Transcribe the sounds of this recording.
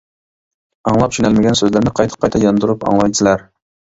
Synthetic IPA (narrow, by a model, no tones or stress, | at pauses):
ɑŋlˠɑpʃynælmɪɡʲɛnsøzlæɾnɪqʰɑjt̪ʰɨ̥qʰɑjt̪ʰɑjɑnd̪uɾupɑ̰ŋlˠɑjt͡ʃ̪ɪlæɾ